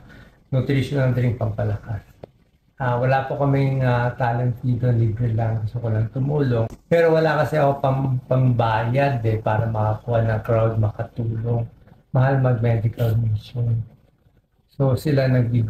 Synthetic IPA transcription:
nʊt̪ɾiʃonɐlnd̪ɪɾɪŋpɐŋpɐlɐkas | ʔaːwɐlaːpokɐmɪŋat̪aːlɐŋt̪iːd̪onliːbɾɛlɐŋkɐsokʊlɐŋt̪ʊmuːlo̞ŋpɛːɾo̞wɐlakɐsɛɐkopɐŋpɐŋbaːjɐd̪ɛpaːɾɐmɐkɐkuːhɐnɐŋkɾawd̪̚mɐkɐt̪uːloŋ | mɐhalmɐɡ̚mɛd̪ɪkɐlmiʃon | so̞sɪlanɐɡ̚bi

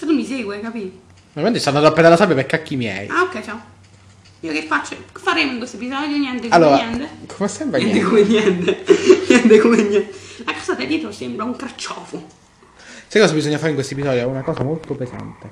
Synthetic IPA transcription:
t̪enomːiseːɡwekapiː | noiment̪ist̪anːad̪ɔpːed̪alːasabjapekːakːimjɛ̰jaokːɛjt͡ʃa | iːokefːat͡ʃːofːaɾeːmoiŋkwest̪oep̬izɔd̪joɲjɛnt̪ekalːoːɾaɛnt̪ekʰomesːɛmbɾaɲɛnt̪ekomeɲːɛnt̪eɲɛnt̪ekomeɲːɛnt̪elakɔːsat̪ad̪iːt̪osembɾauŋkɾat͡ʃːɔːfo | sajkɔsabizɔɲːafaɾiŋkwestoepizɔːd̪joɛunakɔːzamolt̪opeza̰nt̪e

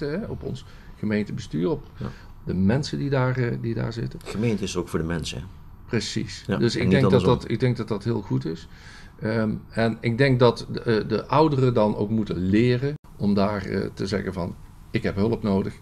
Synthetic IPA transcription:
təɦɛɔpɔ̰ns | χəmejntəbəstyːrɔp | dəmɛnsəndidaːɹdida̰ːɹzɪtəχəmejntəɪsərokfʊːɹdəmɛnsə̰ɛ | prəsḭsdɵsɪɡdɛŋdɑdɑtɪ̰ɡ̚dɛŋɡ̚dɑtdɑtɦɪːlˠχutɪs | ɛnɪɡ̚dɛŋk̚dɑtdəʔʌwdərədɑno̰wkmutəlɪːrən | ɔmdaːrə̰təzɛ̰ɣənvɑn | ɪkɦɛpɦɵləpnowdəx

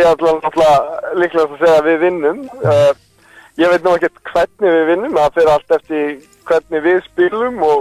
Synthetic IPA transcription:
ɛat̪lanɔht̪lalɪhklasaðseːjɣavɪðvɪnːʏm | jɛvejt̪nawɛhcɛ̥ɾ̥t̪kʰvɛt̪̚nɪvɪðvɪnːʏmaðfɪɾal̥t̪ɛft̪ɪ | kʰvɛt̪̚nɪvɪðspɪlʏmɔɣ

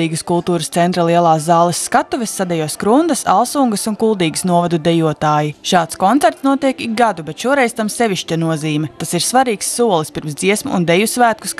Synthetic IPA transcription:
iːɡəskulˠt̪uːɾəst̪sɛnt̪ɾalˠiɛlˠaːzːɑːlˠɛsːkat̪uvɛsːad̪ɛjuɔskɾund̪ɐsa̰lˠsuŋɡəsunkulˠd̪iːɡsnuɔvad̪ud̪ɛjuɔt̪aːjiʃɑːt̪skɔnt̪sɛɾt̪snuɔt̪iɛkik̚ɡad̪ubet̪ʃuɔɾɛjz̥t̪amsɛʋʲiʃt͡ʃanuɔziːmʲɛt̪asiɾsvaɾiːksːuɔlˠispʲiɾmsd̪z̥iɛsmṵːnd̪ejusvæːt̪̚ku̥s

